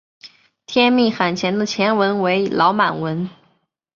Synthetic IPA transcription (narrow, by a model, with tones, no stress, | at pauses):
t̪ʰjɛ˥nmi˥˩xa˨˩nt͡ɕʰjɛ˧˥nd̪ə˧t͡ɕʰjɛ˧˥nwə˧˥nwe˧˥ɪlʔɑ˧˥ʊma˨˩nwə˧˥n